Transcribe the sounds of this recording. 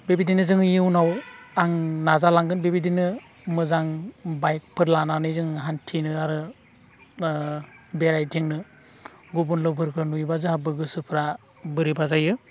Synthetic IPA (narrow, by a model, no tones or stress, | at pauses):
bebidinɯzɯŋjɯwnawaŋnazalaŋɡɯnbebidinɯ | mɯzaŋbajk̚pʰɯɾlananɯjzɯŋɦantʰinɯaɾɯ | beɾajtʰiŋnɯ | ɡubunlɯbʰʱɯɾkʰɯnujbazɯɦabɯɡɯsɯpʰɯɾa | bɯɾibazajɯ